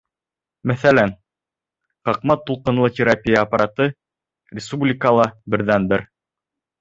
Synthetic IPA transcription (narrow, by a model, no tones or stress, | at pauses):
mæθælæn | qɑq̚mɑt̪ːulˠqɤ̆nlˠɤt̪ʲɪɾapʲijəːpaɾat̪ɤ | rʲɪspublʲɪkalˠɑbɘ̆ɾðænbɘɾ